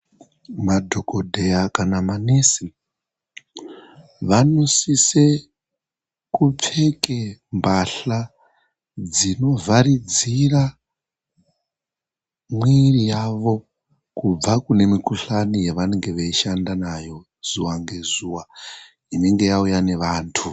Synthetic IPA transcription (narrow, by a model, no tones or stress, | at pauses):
madʱokodʱe̞jakanamanesi | ʋano̞sise | kup͡fe̞kembaɬa | d͡zino̞vʱaɾid͡zira | mwirijaʋo̞ | kub͡vakune̞mikuɬanijeʋane̞ŋɡe̞ʋeiʃandanajo̞ | z̥uwaŋɡe̞zuwa | ine̞ŋɡe̞jaujane̞ʋaːntʰu